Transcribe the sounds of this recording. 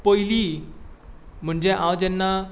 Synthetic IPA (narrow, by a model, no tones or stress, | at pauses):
pojliː | m̤əɳd͡ʑeʔãwd͡ʑɛnːa